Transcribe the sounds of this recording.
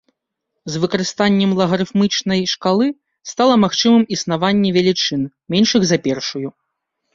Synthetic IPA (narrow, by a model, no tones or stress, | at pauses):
zvɨkɐɾɨst̪anʲːɛmlˠɐɣɐɾɨfmɨt͡ʂnɐjʂkalˠɨ | st̪alˠɐmaxt͡ʂɨmɨmisn̪avanʲːɛvʲɛlʲit͡ʂɨn | mʲɛnʂɨɣzɐapʲɛrʂuju